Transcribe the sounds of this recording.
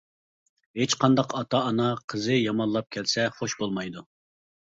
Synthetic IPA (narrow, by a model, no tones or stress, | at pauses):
ɦet͡ʃqʰɑnd̪ɑqʰɑt̪ʰɑːnɑqʰəzɨjɑmɑnlˠɑp̚kʲʰɛlsɛχoʃbolˠmɑjd̪u